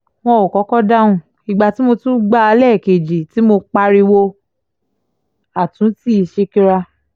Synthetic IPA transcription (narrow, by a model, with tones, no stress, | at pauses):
w̃ɔ̃˧o˨kɔ˨˦kɔ˦da˦ũ˧ | i˨ɡ͡ba˧ti˦mo˧tũ˦ɡ͡ba˦a˧lɛ˦˨ke˨d͡ʒi˨ti˨˦mo˧k͡pa˧ɾi˧wo˧ | a˨tũ˨˦ti˦i˧ʃe˧ki˦ɾa˧